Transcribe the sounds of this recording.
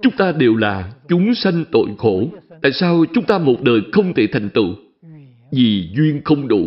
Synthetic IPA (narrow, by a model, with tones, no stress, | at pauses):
t͡ɕʊ˨˦ŋ͡mt̪aː˧ɗe˨˩wlaː˨˩t͡ɕʊ˨˦ŋ͡msa˧jŋ̟t̪o̰˧˨jxo˧˩t̪a̰ː˧˨jsaː˧wt͡ɕʊ˨˦ŋ͡mt̪aː˧mo˨˩t̚ɗəː˨˩jxə˧wŋ͡mt̪ʰe˧˩t̪ʰa˨˩jŋ̟t̪ɨ̰˧˨ | vi˨˩zwi˧ənxə˧wŋ͡mɗṵ˧˩˦